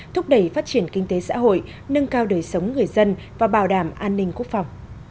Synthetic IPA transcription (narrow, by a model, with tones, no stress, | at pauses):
t̪ʰʊ˦˥k͡p̚ɗə˧˩jfaː˦˥t̚t͡ɕi˧˩ənkï˧ŋ̟t̪e˨˦sa̰ː˧˥ɦo̰˧˨j | nɨ˧ŋkaː˧wɗəː˨˩jsə˨˦wŋ͡mŋɨ˨˩əjzə˧n | vaː˨˩ɓaː˧˩wɗaː˧˩mʔaː˧nːï˧ŋ̟ku˦˥ək̚fa˨˩wŋ͡m